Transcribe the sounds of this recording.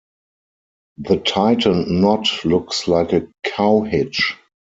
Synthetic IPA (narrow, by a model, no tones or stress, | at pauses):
ðətʰaɪtʰə̃nːɔtlʊkslaɪkəkʰaʊhɪt͡ʃ